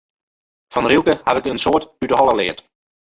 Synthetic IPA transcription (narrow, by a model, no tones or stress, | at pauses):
fɔnrilˠkəhavɪkənsoətytəɦɔlˠəlɪət